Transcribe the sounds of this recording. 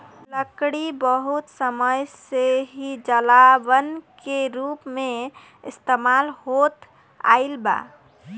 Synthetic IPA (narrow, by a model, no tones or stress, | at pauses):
ləkɽibəɦut̪səməjseɦid͡ʒəlabənkeɾupme | ɪst̪emalɦot̪ | a̰ɪlba̰